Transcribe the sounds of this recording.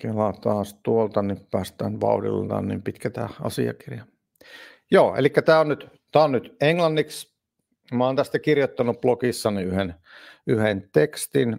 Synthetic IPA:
kelɑt̪ɑːst̪uolt̪ɑnippæːst̪æːnʋɑ̰udḭlt̪ɑ̰ːnnimpit̪kæt̪æ̰ɑ̰sḭɑ̰kirjɑ | joːḛlikːæt̪æːonnyt̪ | t̪æːonnyt̪eŋlɑnːiks | mæɑoːnt̪æst̪ækirjot̪ːɑnːupplokisːɑniyhen | yhent̪ekst̪in

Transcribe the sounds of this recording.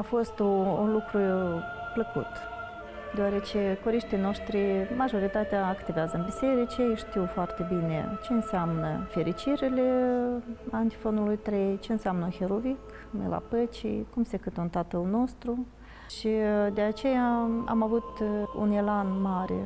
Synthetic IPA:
afo̞st̪ounlukɾu | pləkṵt̪ | d̪eoaɾe̞t͡ʃekoɾiʃt̪ijno̞ʃt̪ɾimaʒo̞ɾit̪at̪eaːkt̪eɡazɨnbise̞ɾit͡ʃejʃt̪iwfoart̪e̞binḛt͡ʃe̞ɨnseamnəfe̞ɾʔit͡ʃiɾile | ant̪i̥fo̞nulujt̪ɾe̞jt͡ʃe̞ɨnseamnəuxeɾovik | mḛla̰pət͡ʃḭjkumsekɨt̪unt̪at̪əlno̞st̪ɾu | ʃid̪eat͡ʃe̞jaa̰mavut̪ṵnelanmaɾḛ

